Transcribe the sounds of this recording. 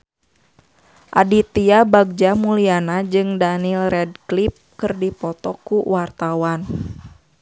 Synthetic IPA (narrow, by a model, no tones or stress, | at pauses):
ʔa̰dit̪iabaɡ̚d͡ʒamulianad͡ʒɨŋdanilrɛd̚klip̚kɨrdipɔt̪ɔkuwart̪awan